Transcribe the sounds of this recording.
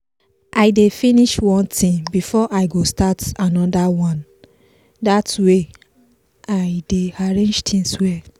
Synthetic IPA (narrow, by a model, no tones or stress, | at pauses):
ʔaɪdefiniʃwɔ̃ntĩŋbifɔʔaɪɡostatanɔdawɔ̃n | datwe | ʔaɪdeaɹẽnd͡ʒtʰĩŋswɛ